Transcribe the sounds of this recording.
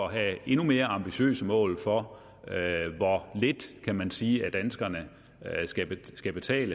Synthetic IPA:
ɒɦæe̝nume̝ːɐɑ̈mb̥iɕø̰ːsəmɔ̰̽ːlfɒ̽ | ʋɒle̝d̥kʰæmænsiːæd̥ænsɡ̥ɐnə | sɡ̥æ̥sɡ̥æb̥e̝t͡sʰɛ̰ːlə

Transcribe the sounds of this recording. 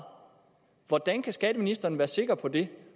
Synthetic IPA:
ʋɒd̥ænkʰæsɡ̥ɛːd̥əminisd̥ɐːnʋæːɐse̝ɡ̥ɐpʰɒ̽d̥e̝

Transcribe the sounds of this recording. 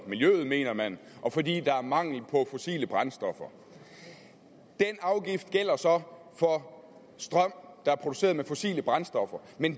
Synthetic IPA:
miljøːð̞̩ˠme̝̰ːnɐmænʔɒ̽fɒ̽dḭːd̥ɑ̈æɐmɑ̈ŋ̰l̩pʰɒ̽fo̝sḭːləb̥ʁɑnsd̥ɒ̽fɐ | d̥enɑ̈ʊɡ̥ifd̥̚ɡ̥el̰ɐsɒ̽ | fɒ̽ | sd̥ʁɶm̰d̥ɑ̈æɐpʰʁo̝d̥use̝̰ːɐðˠmefo̝sḭːləb̥ʁansd̥ɒ̽fɐmen

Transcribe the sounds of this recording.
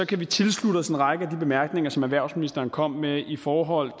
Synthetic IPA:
sɒ̽kʰæʋit͡sʰe̝lsluɾ̥əsenʁɑ̈ɡ̥əæd̥ib̥e̝mæɐɡ̥ne̝ŋɐsɒ̽mæʋæɐ̰ʊsminisd̥ɐːn̩kʰɒ̽m̰meifɒːɦɒ̽l̰

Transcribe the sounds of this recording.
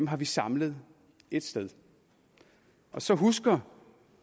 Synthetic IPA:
mɦɑ̈ʋisɑ̈mləð̞ˠ | e̝d̥sd̥eð̞ˠ | ʔɒ̽sɒ̽ɦusɡ̥ɐ

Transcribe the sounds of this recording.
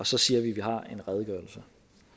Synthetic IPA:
ɒ̽sɒ̽siːɐʋiʋiɦɑ̈e̝nʁɛð̞ˠɡ̥ɶɐl̩sə

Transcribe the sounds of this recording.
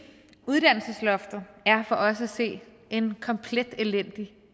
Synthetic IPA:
uðˠd̥æn̰l̩səslɒfd̥ð̩ˠæɐfɒ̽ʔɒ̽s̬əæse̝̰ː | e̝nkʰɒ̽mpʰled̥elen̰d̥i

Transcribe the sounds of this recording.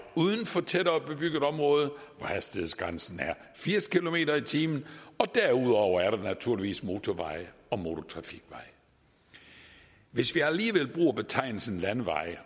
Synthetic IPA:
uðˠn̩fɒ̽t͡sʰed̥ɐɒb̥e̝b̥yɡ̥ð̩ˠɒ̽mʁɔ̽ːð̞̩ˠʋɒhæsd̥ihe̝ðˠsɡ̥ʁansn̩æɐ | fiɐ̰skʰilo̝me̝̰ːɾɐit͡sʰiːmn̩ɒ̽d̥æɐuð̰ˠɒʊɐæɐɾɑnæt͡sʰuɐliʋḭːsmo̝ːt͡sʰɒʋɑ̈ɪ̰əɒ̽mo̝t͡sʰo̝t͡sʰʁɑ̈fiɡ̥ʋɑ̈ɪ̰ | ʋe̝sʋiæliːʋel̰b̥ʁṵːɐb̥e̝t͡sʰɑ̈ɪ̰nl̩sn̩lænʋɑ̈ɪ̰

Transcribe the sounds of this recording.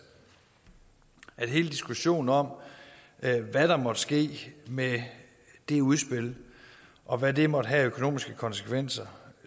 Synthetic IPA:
æd̥ɦe̝ːləd̥isɡ̥uɕo̝̰ːn̩ɒ̽m̰ | ʋæd̥ɑ̈mɒ̽d̥əsɡ̥e̝̰ːme | d̥e̝uðˠsb̥e̝l | ʔɒ̽ʋæde̝mɒ̽d̥əɦæøkʰo̝no̝̰ːmisɡ̥əkʰɒ̽nsə̥kʰʋen̰sɐ

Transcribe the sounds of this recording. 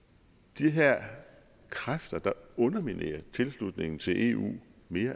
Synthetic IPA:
d̥iɦæɐ̰ | kʰʁafd̥ɐd̥ɑ̈ɔ̽nɐminʔḛːɐt͡sʰe̝lslud̥ne̝ŋn̩t͡sʰe̝lʔe̝̰ṵːme̝ːɐ

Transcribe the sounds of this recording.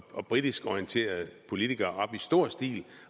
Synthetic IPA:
ɒ̽b̥ʁid̥isɡ̥ɒient͡sʰe̝̰ːɐð̩ˠpʰo̝lit͡sʰiɡ̥ɐɒ̽b̥isd̥o̝ɐ̰sd̥ḭːl

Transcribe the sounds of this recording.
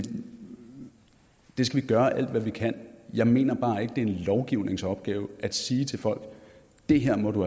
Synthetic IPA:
d̥e̝sɡ̥æʋiɡ̥ɶɐʔæl̰d̥ʋæʋikʰæn̰jɑ̈ɪme̝̰ːnɐb̥ɑ̈ːe̝ɡ̥əd̥e̝æɐenlɒʊɡ̥iʊ̰ne̝ŋsɒ̽b̥ɡ̥ɛːʊæd̥siːt͡sʰe̝fɒ̽l̰ɡ̥ | d̥e̝ɦeɐ̰mɒ̽ɾu

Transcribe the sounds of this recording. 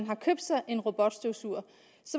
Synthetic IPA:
nɦɑ̈kʰøb̥̚d̥sɑ̈ɪʔe̝nʁo̝b̥ɒd̥sd̥oʊsuɐ̰ | sɒ̽

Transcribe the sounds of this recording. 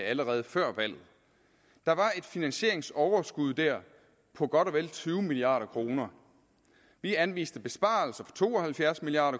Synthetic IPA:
æləʁɛːð̩ˠəfɶɐ̰ʋæl̰ð̩ˠ | d̥ɑ̈ʋɑ̈e̝d̥finænɕe̝ɐ̰e̝ŋsɒʊɐsɡ̥uð̞̰ˠd̥æɐ̰ | pʰɒ̽ɡ̥ɒ̽ɾ̥ɒ̽ʋel̰t͡sʰyːʊmiliɑ̰̈ːɾɐkʰʁo̝ːnɐ | ʋiænʋḭːsd̥əb̥e̝sb̥ɑ̈ːl̩sɐfɒ̥̽t͡sʰo̝̰ːɒ̽hælfjæɐsmiliɑ̈ːɾɐ

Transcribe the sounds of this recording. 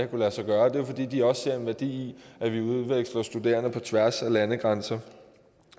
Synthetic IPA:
kʰulæsɑ̈ɡ̥ɶːɐd̥e̝ofɒ̽d̥ḭːd̥iɒ̽sse̝ɐ̰e̝nʋæɐd̥ḭːiæʋiuð̞ˠʋeɡ̥slɐsd̥ud̥e̝ːɐnəpʰɒ̽t͡sʰʋæɐsælænəɡ̥ʁɑnsɐ

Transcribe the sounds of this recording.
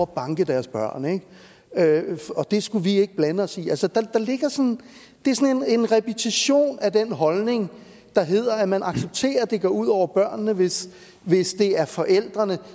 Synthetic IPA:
b̥ɑ̈ŋɡ̥əd̥æɐsb̥ɶɐ̰neɡ̥ | øɒ̽d̥e̝sɡ̥uʋie̝ɡ̥əb̥lænəɒ̽siælsəd̥ɑ̈d̥ɑ̈le̝ɡ̥ɐsɒ̽n | d̥eæɐsɒ̽ne̝ne̝nʁɛpʰet͡sʰiɕo̝̰ːnæd̥enɦɒ̽lne̝ŋ | d̥ɑ̈ɦe̝ð̰ˠɐæmænʔɑ̈ɡ̥seb̥̚t͡sʰe̝̰ːɐd̥e̝ɡ̥ɒ̰uð̞̰ˠɒʊ̰ɐb̥ɶɐ̰nːəʋe̝s | ʋe̝sd̥e̝æɐfɒ̽ʔel̰d̥ʁɐnə

